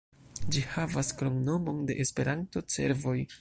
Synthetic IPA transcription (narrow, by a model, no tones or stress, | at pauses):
d͡ʒihavaskɾo̞ŋno̞mo̞nde̞ʔespe̞ɾanto̞t͡se̞̰ɾvo̞j